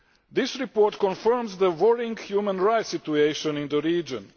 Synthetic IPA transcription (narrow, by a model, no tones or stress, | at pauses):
d̪ɪsɹipɔːɹtkɔ̃nfə˞mzðəwɔɹĩŋɡhjumãnɹaɪt̪sit̪uejʃɔ̃nĩnd̪əɾiːd͡ʒɔ̃n